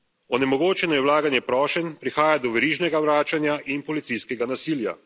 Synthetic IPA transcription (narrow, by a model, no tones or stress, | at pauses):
ɔnɛmɔɡoːt͡ʃɛnɔjɛwlaːɡanjɛpɾɔːʃɛnpɾixaːjad̪ɔʋɛɾiːʒnɛɡawɾaːt͡ʃanjaʔinpɔlit̪sijskɛɡanasiːlja̰